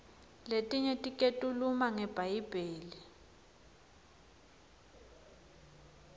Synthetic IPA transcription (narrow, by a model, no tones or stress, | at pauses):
letʼiɲɛtʼikʼetʼulumaŋɛb̥ʱajib̥ʱeːli